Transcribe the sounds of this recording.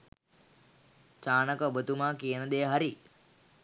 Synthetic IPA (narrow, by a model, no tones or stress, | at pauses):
t͡ʃaːnəkəobət̪umaːkijənəd̪ejəɦaɾi